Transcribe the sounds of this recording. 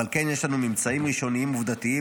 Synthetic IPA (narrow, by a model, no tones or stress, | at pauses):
alkenjeʃlanumimt͡saimʁiʃo̞niimuvd̪at̪ii